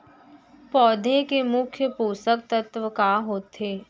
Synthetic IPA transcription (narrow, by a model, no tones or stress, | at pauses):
pɔːd̪ʱekemʊkʰjəpuːsək̚t̪ət̪ʋəkaːɦoːt̪eː